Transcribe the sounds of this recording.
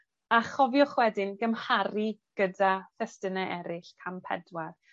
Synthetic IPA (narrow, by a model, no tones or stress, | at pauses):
aχɔvjɔχwɛdɪnɡəmhaɾiɡ̥ədaθɛstənɛʔɛɾɪɬkʰampʰɛ̰dwar